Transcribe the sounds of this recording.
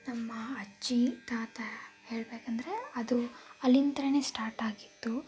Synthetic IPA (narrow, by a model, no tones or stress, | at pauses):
nɐmːɐɐt͡ʃːit̪aːt̪ɐhe̞ːɭbeːkɐnd̪ɐɾe̞ɐd̪uɐlːint̪ɐɾɐne̞ːsʈaːɾʈaːɡit̪ːu